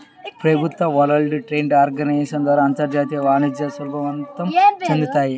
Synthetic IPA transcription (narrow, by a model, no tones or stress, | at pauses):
pɾɐbʱut̪ʋɐʋɐlɐɭɖɨʈɾeɳɖaːɾɡɐnɐjʃɐnd̪ʋaːɾaɐnt̪ɐɾd͡ʒaːt̪ijɐʋaːnid͡ʒ̪jɐsɐlbʱɐʋɐnt̪ɐmt͡ʃɐnd̪ut̪aːji